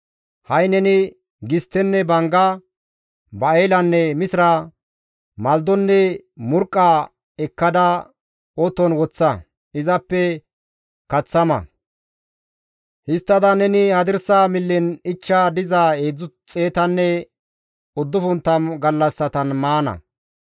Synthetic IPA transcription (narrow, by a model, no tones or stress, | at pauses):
hɐjnɛnɪ | ɡɪst̪ːɛnːɛbɐŋɡɐ | bɐeːlɐnːɛmɪsɪɾɐ | mɐld̪ɔnːɛmʊɾkʼːa | ɛkːɐd̪ɐ | ɔt̪ːɔnwɔt͡sːɐ | ɪzɐpːɛ | kɐt͡sːɐmɐ̰ | hɪst̪ːɐd̪ɐnɛnɪhɐd̪ɪɾsaːmɪlːɪnɪt͡ʃːad̪ɪzaeːd͡zʊt͡sʼe̞ːt̪ɐnːɛ | ʊd̪ːʊfʊnt̪ːɐmɡɐlːɐsːɐt̪ɐnmaːnɐ̰